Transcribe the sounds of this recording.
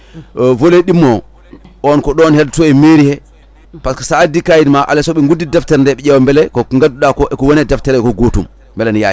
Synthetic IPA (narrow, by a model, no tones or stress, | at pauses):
voleɗimːɔ | ɔnkɔɗɔnhɛdtɔɛmeɾihɛ | paskasadikajidmaʔa̰lɛsɔɓɛŋɡudːidɛftɛɾndɛɓɛɛwɔmbɛlɛkɔŋɡaduɗakɔʔɛkɔwɔnɛdɛftɛɾɛɛkɔɡotum | bɛlɛnja̰